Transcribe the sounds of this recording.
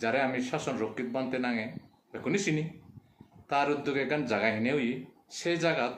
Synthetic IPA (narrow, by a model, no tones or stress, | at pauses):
d͡ʒaɾɛamisasɔnɾokːit̪̚bant̪enaŋɛ | bekunisini | t̪aɾud̪ːukɛɡand͡ʒaɡaɦineɦuji | sejd͡ʒaɡat̪̚